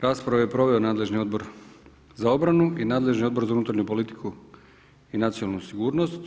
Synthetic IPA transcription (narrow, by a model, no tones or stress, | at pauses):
ɾaːspɾaʋajepɾo̞ʋe̞onaːd̪le̞ʒnio̞d̪bo̞ɾ | zao̞bɾanuinaːd̪le̞ʒnio̞d̪bo̞ɾzaunuːt̪ɾaɾɲupo̞lit̪i̥kʰu | inat̪sionalˠnusiɡuːɾno̞st̪